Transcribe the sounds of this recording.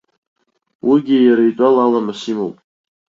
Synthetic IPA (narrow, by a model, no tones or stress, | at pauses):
wiɡʲijaɾaitʷʼalalamasimowpʼ